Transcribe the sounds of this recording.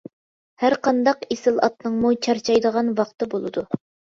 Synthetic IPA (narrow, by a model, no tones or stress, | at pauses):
hæɾqɑnd̪ɑqesɪlˠɑ̰t̪nɨŋmut͡ʃʰɑɾt͡ʃʰɑjd̪əʁɑnwɑqt̪ɨbolˠɨ̰d̪u